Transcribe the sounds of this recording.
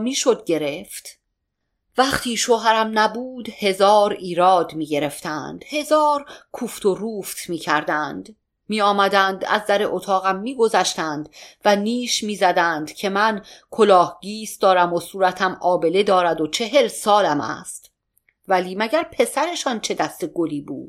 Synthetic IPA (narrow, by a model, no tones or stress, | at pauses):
miːʃo̞d̪ɟe̞ɾe̞ft̪ | væχt̪ʰiːʃoːɦæɾæmnæbuːd̪̥he̞zɒːɾiːɾɒːd̪miːɟe̞ɾe̞ft̪ʰænd̪̥he̞zɒːɾkʰuːft̪ʰo̞ruːft̪ʰmiːcʰæɾd̪ænd̪ | miːɒːmæd̪ænd̪æ̰zd̪æɾe̞ʔot̪ʰɒːɣæmːiːɡo̞zæʃt̪ænd̪̥væniːʃmiːzæd̪ænd̪cʰe̞mænkʰo̞lɒːhɟiːs̚d̪̥ɒːɾæmosuːɾæt̪ʰæmɒːbe̞le̞d̪ɒːɾæd̪ot͡ʃʰe̞ɦe̞lsɒːlæmæ̰st̪ | væliːmæɟæɾpʰe̞sæɾe̞ʃɒːnt͡ʃʰe̞d̪æst̪e̞ɡoliːbṵːd̪̥